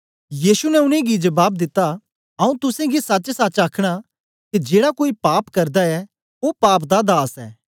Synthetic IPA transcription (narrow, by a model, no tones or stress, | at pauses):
jiːsunɛʊnẽɡid͡ʒɐbaːb̚d̪ɪt̪ːa | ɐũt̪ʊsẽɡisɐt͡ʃsat͡ʃaːkʰɽ̃a | kid͡ʒeːɽakoːipaːpkɐɾd̪aɛ | opaːpd̪ad̪aːsɛ̰ː